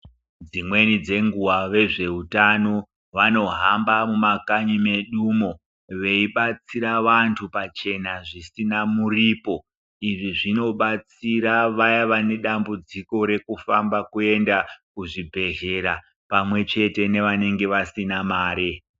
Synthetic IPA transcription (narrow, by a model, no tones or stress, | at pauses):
d͡zimwe̞nid͡ze̞ŋɡuwaʋe̞ʐe̞utano | ʋano̞ɦambamumakaɲime̞ɗumo | ʋe̞iɓat͡siɾaʋantʰupat͡ʃe̞naʐisinamuriːpo̞ | iʐiʐino̞ɓat͡siɾaʋajaʋane̞ɗambud͡ziko̞ɾe̞kufa̰mbakue̞ndakuʐibʱe̞ɦe̞ɾa | pamwe̞t͡ʃe̞te̞ne̞ʋane̞ŋɡe̞ʋasinamaːɾe